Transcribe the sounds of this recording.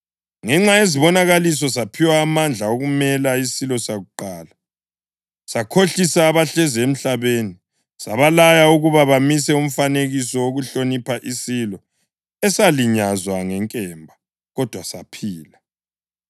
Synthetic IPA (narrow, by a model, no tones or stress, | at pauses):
ŋɛŋ͡ǁaeziβɔnaɣalis̬ɔs̬apʰiwaːmand͡ɮʱaoɣumɛlaisilɔsaɣuǃaːla | sakʰoɬisaːβaɬɛziem̩ɬaβeni | saβalajauɣuβaβamisɛum̩faneɣisɔwoɣuɬonipʰaʔisilɔ | ɛsaliɲazwaŋɛŋkʼɛmbʱa | ɣɔd̥ʱwasapʰiːla